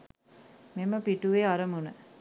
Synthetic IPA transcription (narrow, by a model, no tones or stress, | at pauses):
meməpiʈuʋeaɾəmunə